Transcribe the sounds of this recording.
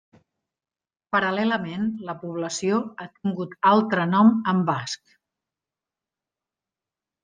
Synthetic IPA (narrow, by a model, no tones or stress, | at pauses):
pəɾəlɛləmenləpuβ̞ləsioat̪iŋɡut̪alˠt̪ɾənɔməmbask̚